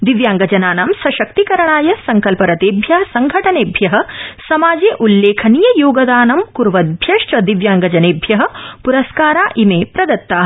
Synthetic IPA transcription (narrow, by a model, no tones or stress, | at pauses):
d̪iʋjaːŋɡɐd͡ʒɐnaːnaːmsɐʃɐkt̪ikɐɾɐɳaːjɐsɐŋkɐlpɐɾɐt̪eːbʱjɐɦɐsɐŋɡʱɐʈɐneːbʱjɐɦɐ̆sɐmaːd͡ʒeːʔulːeːkʰɐnijɐjoːɡɐd̪aːnɐmkuɾʋɐd̪̚bʱjɐʂʈɐd̪iʋjaːŋɡɐd͡ʒɐneːbʱjɐɦɐ̆puɾɐskaːɾaːʔimeːpɾɐd̪ɐt̪ːaː